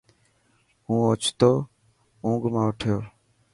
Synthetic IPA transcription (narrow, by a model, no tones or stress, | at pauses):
ũːot͡ʃʰt̪oː | ũːɡmãːoʈʰejoː